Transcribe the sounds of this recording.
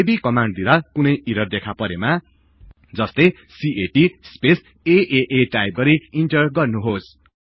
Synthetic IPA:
ebikʌmaɳɖ̚d̪iɾʌkunʌjʔiɾʌrd̪ekʰapʌɾema | d͡zʌst̪ʌj | siʔeʈispes | eʔeʔeʈajp̚ɡʌɾiiɳʈʌrɡʌrnuɦos

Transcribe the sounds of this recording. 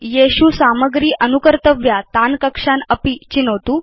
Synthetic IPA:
jeɕusaməɡɾiːʔənukəɾt̪əʋjat̪ankəkʂanəpit͡ɕinəʋt̪uː

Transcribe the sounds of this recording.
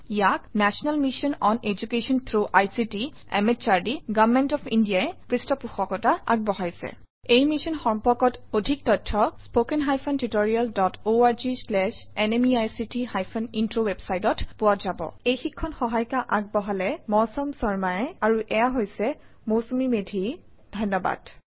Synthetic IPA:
ijaknɛsɔnalmisɔnɔned͡ʒukesɔnt̪ʰɹuʔajsiti | ɛ̰mett͡ʃaɹdiɡavmɛntɔpʰindijaɛkɹistɔpuxɔkɔtaa̰ɡ̚bɔɦajsɛ̰ | ejmisɔnxɔmpɔkɔtodʱik̚tɔtʰːɔspokɛnɦajpʰɔntitoɹialdɔtʰoaɹzislɛsɛnemiajsitiɦajpʰɔnintɹowebsajtɔtpʊwatzabɔ̰ejxikʰːɔnxɔɦajkaʔaɡ̚bɔɦalɛmɔɹsɔmsɔɹmajɛaɹuʔɛjaɦojsɛ | mowsomimedʱi | d̥ʱɔnːɔba̰d̥

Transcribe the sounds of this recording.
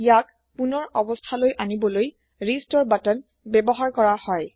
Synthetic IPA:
ijak̚ | punɔɹɔbɔstʰalojʔanibɔloj | ɹistɔɹbatɔn | bɛbɔɦaɹkɔɹahɔj

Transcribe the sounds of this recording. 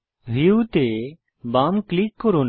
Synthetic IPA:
ɦiut̪e | baːmklikːɔɾoːn

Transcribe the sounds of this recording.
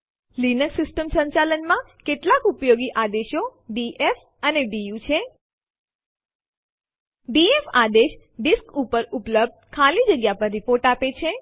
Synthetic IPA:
linəksɪsʈəmsə̃ɲt͡ʃalənmã | keʈlakupjoɡiʔad̪eʃoɖiʔef | əneɖijut͡ʃʰe | ɖiefad̪eʃ | ɖiskupəɾupləb̚d̪̚kʰalid͡ʒəɡjapəɾːipoɾʈapet͡ʃʰe

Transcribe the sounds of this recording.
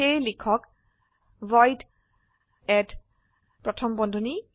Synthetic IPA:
ejlikʰɔk | vɔjt | ɛt | pɹɔtʰɔmbɔndʱɔni

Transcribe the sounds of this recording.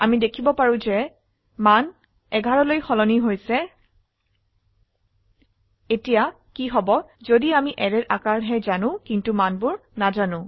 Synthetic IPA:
amidekʰibɔpaɹʊ̃zɛ | man | ɛɡʱaɹɔlojxɔlɔniɦojsɛ | etija | kiɦɔbɔzodiamiʔɛɹɛtʔakaɹɦɛzanʊ̃kintumanbʊɹnazanʊ̃

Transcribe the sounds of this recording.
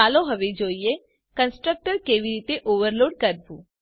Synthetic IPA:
aːloɦəʋed͡ʒoːijeː | kənsʈɾək̚ʈəɾkeːʋiɾiːt̪eʔoːʋəɾloːɖ̚kəɾbṵː

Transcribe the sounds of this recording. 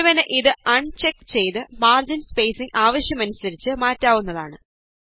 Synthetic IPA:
ʋɐnɨʔiðɨɐɳt͡ɕekːt͡ɕe̞jt̪ɨmaːrd͡ʑinspejsiŋɡaːʋɐɕjɐmɐnusɐɾit͡ɕːɨmaːtːaːʋunːɐðaːɳɨ

